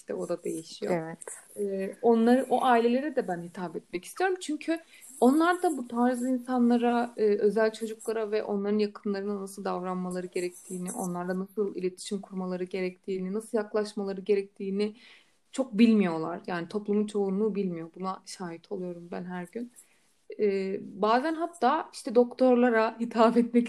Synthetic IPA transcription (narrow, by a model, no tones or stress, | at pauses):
iʃt̪ʰɛ̰o̞d̪ad̪e̞jiʃijo̰ɛvɛt̪ | ɛːo̞nlˠaɾɯʔoʔaːilʲe̞lʲe̞ɾɛd̪ɛbænɦit̪ʰaːbɛt̪̚mɛci̥st̪ʰijo̞ɾumt͡ʃʰyɲcʰy | o̞nlˠaɾd̪abut̪ʰaɾzɯinsanlˠaɾaɯːʔø̞zælʲt͡ʃʰo̞d͡ʒuklˠaɾavɛʔo̞̰nlˠaɾɯnjakʰɯmlˠaɾɯnanasɯlˠd̪avɾanmalˠaɾɯɟe̞ɾɛc̚t̪ʰiːniʔo̞̰nlˠaɾd̪ˠanasɯlˠilʲe̞t̪ʰi̥ʃimkʰuɾmalˠaɾɯɟe̞ɾɛct̪ʰiːninasɯlˠjaklˠaʃmalˠaɾɯɟe̞ɾɛc̚t̪ʰiːnɪ | t͡ʃʰo̞k̚bilʲmijo̞lˠa̰ɾjaːnit̪ʰo̞plˠumunt͡ʃʰo̞unlˠuːbilʲmijo̞bunaʃaːɦit̪ʰo̞lˠujo̞ɾumbænɦæɾɟyn | ɛːbaːzænɦat̪ʰːaːiʃt̪ʰɛd̪o̞kt̪ʰo̞ɾlˠaɾahit̪ʰaːbɛt̪mɛc